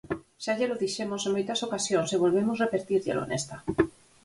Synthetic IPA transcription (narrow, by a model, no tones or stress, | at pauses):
seaʎeloðiʃemoseŋmojt̪asokasjoŋseβ̞olβemozrepeɾt̪iɾʎḛlo̰nest̪a